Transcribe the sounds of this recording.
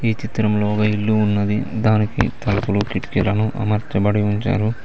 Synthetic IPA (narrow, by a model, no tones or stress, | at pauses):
iːt͡ʃit̪ɾɐmloːɡɐilːuːnːɐd̪id̪aːnikḭt̪ɐlɐpulukiʈkilɐnuʔɐ̰mɐɾt͡ʃ̪ɐbɐɽiuɲt͡ʃa̰ːɾu